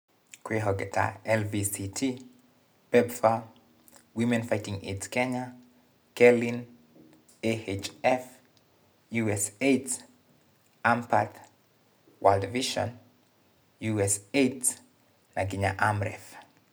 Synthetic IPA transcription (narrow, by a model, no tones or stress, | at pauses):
kwiɦɔɡɛtʰa̰ɛlvisitʰi | pɛbfa | wimɛ̃nfajtĩŋḛtskɛɲa | kɛlĩn | eet͡ʃɛf | juɛset | ãmpʰaθ | waldviʃɔ̰̃n | juɛset | naɡiɲaʔamɹɛ̰f